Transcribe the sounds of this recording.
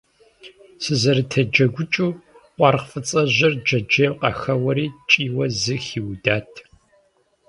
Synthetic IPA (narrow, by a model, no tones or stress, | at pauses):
sɨzɐɾɨtʰɐd͡ʒɐɡʷʊt͡ʃʼuː | qʷʼɑrqfɨt͡sʼɐʑɪrd͡ʒɐd͡ʒɐqɐxɐwɐɾiːt͡ʃʼiːwɐzɨxiːwdaːtʰ